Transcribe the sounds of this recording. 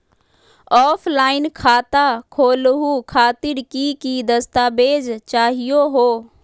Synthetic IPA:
ɔːpʰlaːɪnkʰaːt̪akʰoːlɦukʰaːt̪ɪɾkikid̪ɐst̪aːbeːd͡ʒt͡ʃaːɦijoɦoː

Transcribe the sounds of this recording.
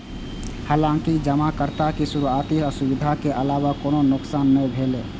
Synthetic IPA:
haːlãŋkid͡ʒəmakəɾt̪akisuɾuat̪iəsubid̪ʱakeʔəlaːwakoːnonʊksaːnːəbʱele

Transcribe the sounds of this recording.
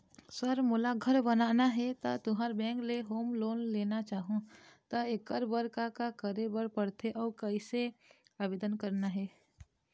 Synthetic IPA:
səɾmulaɡʱəɾbənaːnaɦɛt̪ət̪ʊɦaɾbɛ̃ːŋkleɦoːmloːnleːnat͡ʃaːɦũt̪əekəɾbəɾkakakəɾebəɾpəɽt̪ʰeʔɔːɾkəɪseaːbeːd̪ənkəɾnaɦɛː

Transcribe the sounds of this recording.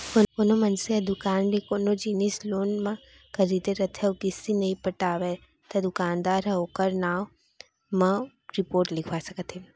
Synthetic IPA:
kokoːnomɐnseɐd̪ʊkaːnɾikoːnod͡ʒinisloːnmã | kɐɾiːd̪eɾɐt̪ʰewkɪsinɐĩpɐʈaːʋe | t̪ɐd̪ʊkaːnd̪aːɾɦoːkəɾnaːw | mɐ̃ | ɾipoːɾʈlɪkʰʋasɐkət̪ʰe

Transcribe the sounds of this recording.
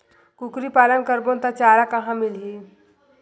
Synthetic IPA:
kukɾipaːlənkəɾbont̪at͡ʃaːɾakɐɦãmɪlɦiː

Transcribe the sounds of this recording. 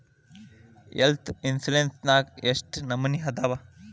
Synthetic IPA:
ḛlt̪ʰinsulensnaːɡeʂʈnɐmːɐniɦɐd̪aːʋa

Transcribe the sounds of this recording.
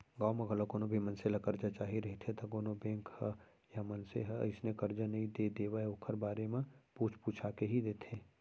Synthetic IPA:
ɡaːwmẽɡəlokoːnõbʱimənselakəɾd͡ʒat͡ʃaːɦiɾɐɦit̪ʰẽt̪akoːnobẽːŋkhɛ | jamɐnseɦɛə̰ɪsnekəɾd͡ʒanɐɦĩd̪ed̪eːwaɛokʰəɾbaːɾemẽpuːt͡ʃʰpuːt͡ʃʰakeɦid̪eːt̪ʰẽː

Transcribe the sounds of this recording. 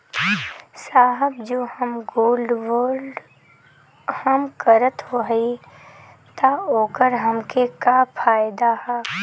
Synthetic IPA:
saːɦəbd͡ʒoːhəmɡoːlɖʋoːɾɖ | hɐmkəɾət̪ɦoːɦi | t̪aoːkəɾɦɐmkekapʰaːjɪd̪ahɛː

